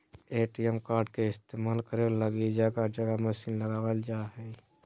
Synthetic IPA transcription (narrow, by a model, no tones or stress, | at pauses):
eːʈiɛmkaːɾɖkeɪst̪emaːlkəɾeləɡid͡ʒakad͡ʒəɡaməsiːnləɡaːwəld͡ʒaɦɛ